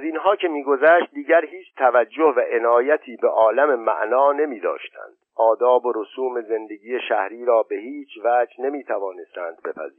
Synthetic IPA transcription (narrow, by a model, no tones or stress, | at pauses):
zinɦɒːcʰe̞miːɡo̞zæʃt̪̚d̪iːɟæɾhiːt͡ʃʰt̪ʰævæd͡ʒːohvæʔe̞nɒːjæt̪ʰiːbeʔɒːlæme̞mæ̰ʔnɒːne̞miːd̪ɒ̰ːʃt̪ʰæ̰nd̪̥ʔɒːd̪ɒːboɾosuːme̞ze̞nd̪e̞ɟiːeʃæhɾiːɾɒːbe̞hiːt͡ʃʰvæːd͡ʒne̞miːt̪ʰævɒːne̞st̪æːnd̪̚be̞pʰæ̰ziːɾ